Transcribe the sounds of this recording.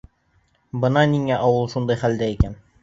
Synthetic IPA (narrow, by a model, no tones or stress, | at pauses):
bɤ̆nɑniŋæʔɑwɤlˠʃund̪ɑjχæld̪æikæn